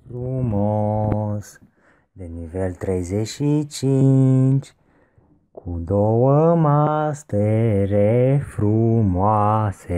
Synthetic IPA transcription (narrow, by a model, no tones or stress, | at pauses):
fɾumos | d̪enivelt̪ɾejzeʃit͡ʃint͡ʃ | kʰud̪owəmast̪eɾefɾumoase